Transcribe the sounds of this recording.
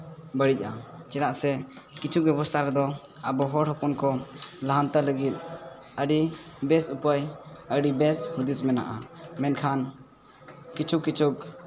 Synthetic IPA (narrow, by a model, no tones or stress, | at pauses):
bəɽic̚at͡ʃɛd̪aʔsɛkit͡ʃʰuk̚bɛbɔst̪ʰaɾɛd̪ɔəbɔɦɔɽhɔpɔnkɔlaɦant̪aləɡit̪̚ | əɖibɛsupəjəɖibɛshud̪ismɛna̰ʔa̰mɛnkʰan | kit͡ʃʰukːit͡ʃʰuk